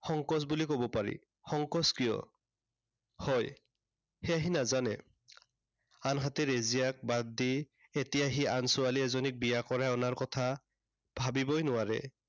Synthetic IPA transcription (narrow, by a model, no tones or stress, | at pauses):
xɔŋkɔs̬bulikobɔpaɹḭ | xɔŋkɔskijɔ̰ | hɔj | hɛaɦinazanɛ | anɦatɛɹezijak̚baddi | etijaɦiansʊaliɛzɔnik̚bijakɔɹaɔnaɹkɔtʰa | b̥ʱabibɔjnʊwaɹɛ̰